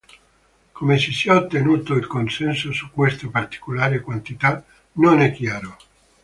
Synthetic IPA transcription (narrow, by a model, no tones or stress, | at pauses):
komesisiaot̪ːenuːt̪oilkonsɛnsosukːwest̪apart̪i̥kolaːɾekwant̪it̪a | nonɛkːjaːɾo